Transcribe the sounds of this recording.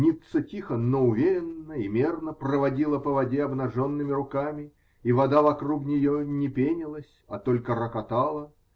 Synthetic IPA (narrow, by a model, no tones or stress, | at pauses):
nʲit̪sətʲixənoʊvʲeɾʲɪnːəimʲernəprəvɐdʲilˠəpəvɐdʲeɐbnɐʐo̞nːɨmʲɪɾʊkamʲɪ | ivɐd̪avɐkruknʲɪjonʲɪpʲenʲɪlˠəsʲɐt̪olʲkəɾəkɐt̪alˠə